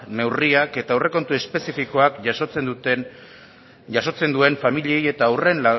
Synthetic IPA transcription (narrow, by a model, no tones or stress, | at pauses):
ne̞wriake̞t̪aewre̞ko̞nt̪ue̞spe̞sifiko̞akʝaʃot͡send̪t̪e | ʝaso̞t͡se̞nd̪ue̞ɱfamiʎieje̞t̪aːwre̞na